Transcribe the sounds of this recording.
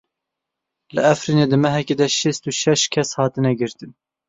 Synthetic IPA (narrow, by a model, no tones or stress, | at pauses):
lɨɛfɾineːd̪ɨmɛɦɛkʲeːd̪ɛʃest̪uʃɛʃkʲʰɛshɑːt̪ɨnɛɡɨɾt̪ɨn